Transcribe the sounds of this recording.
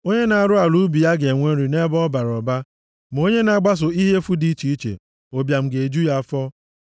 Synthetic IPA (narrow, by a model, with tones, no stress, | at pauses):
o˦ɲe˦na˨a˨ɾʊ˦a˨ɾu˦bi˨ja˦ɡe˨ŋʷe˦ɾi˨ne˦bɔ˦ba˨ɾɔ˨ba˦ | m̩˨o˦ɲe˦na˨ɡ͡ba˦s̬ʊ˨i˦ɦe˦fu˦di˦i˦t͡ʃi˦i˦t͡ʃḛ˨ | o˨bja˨m̩˨ɡe˨d͡ʒu˦ja˦fɔ˦